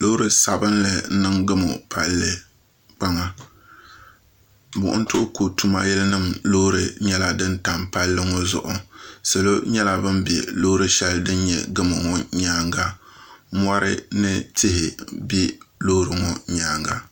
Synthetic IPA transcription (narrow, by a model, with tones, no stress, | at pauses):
lo˦ɾɨ˦sa˨bɨ˦nlɨ˨n̩˦nɨ˦ŋɡɨ˦mʊ̰˨pʰa˦lːɨ˨ | k͡pa˦ŋa˦ | bʊ̰˨ʔʊ̰˦n̩˦tʊ˦ʔʊ˦ko˨tu˦ma˦jɛ˦lɨ˦nɨ˦˨mlo˦ɾɨ˨ɲɛ˦la˦dɨ˦nta˨mpa˦lːɨ˦ŋɔ˦zʊ̰˨ʔʊ˨sɨ˨lo˦ɲɛ˦la˦bɨ˦mbɛ̰˨lo˦hɾɨ˦ʃɛ˦ldɨ˦n˦ɲɛ̰˨ɡɨ˦mɨ˨ŋɔ˦ɲaː˦ŋɡa˦mɔ˦ɾʔɨ̰˦nɨ˦tɪ˦ɦɪ˨bi˦lo˦ɾɨ˨ŋɔ˨ɲaː˦ŋɡa˦